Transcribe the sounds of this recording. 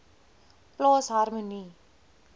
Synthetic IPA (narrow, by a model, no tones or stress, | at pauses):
ploːsɦaɾməni